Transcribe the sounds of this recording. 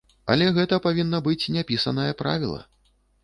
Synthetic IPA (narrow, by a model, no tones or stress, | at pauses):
ɐ̰lʲɛɣɛt̪ɐpavʲinːɐbɨt͡sʲnʲapʲisɐnɐjɐpɾa̰vʲilˠɐ̰